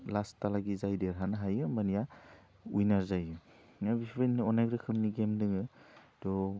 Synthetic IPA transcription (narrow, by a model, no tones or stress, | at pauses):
lastalaɡizajdeɾɦanaɦajɯmanija | ujnaɾzajɯ | nabipʰbejnːɔnaɡɾɯkʰɯmniɡemdɯŋɯdɔ